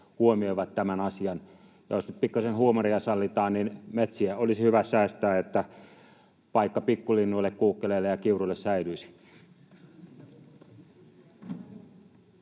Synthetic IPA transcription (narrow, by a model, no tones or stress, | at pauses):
huomioiʋɑt̪t̪æmænɑsiɑn | jɑ̰josnyt̪pikːɑsenhuomoriɑsɑlːit̪ɑːnninmet̪siæolisihyʋæsæːst̪æːet̪ːæ | pɑikːɑpikːulinːuilːekkuːkːeleːlːejɑkiuruilːessæilyisi̥